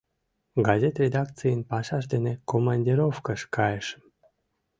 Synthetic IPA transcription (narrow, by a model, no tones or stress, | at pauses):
ɡɑzʲet̪rʲed̪ɑk̚t͡sɨjənpɑʃɑʃd̪enekomɑnʲdʲiɾofkəʃkɑjeʃ